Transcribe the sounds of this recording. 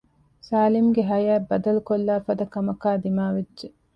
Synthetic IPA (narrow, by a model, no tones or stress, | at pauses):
saːlimuɡeɦɐjæːbɐd̪ɐlukolːaːfɐd̪ɐkɐmɐkaːd̪imaːʋedʒe